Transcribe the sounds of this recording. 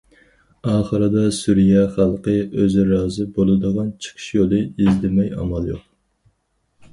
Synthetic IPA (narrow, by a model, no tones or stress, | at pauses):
ɑːχəɾɨd̪ɑsuɾijɑχɑlˠqəøzɪɾɑːzɨbolˠɨd̪əʁɑnt͡ʃʰə̥qʰə̥ʃjolˠɨizd̪ɪmɛjɑ̰mɑlˠjo̰q̚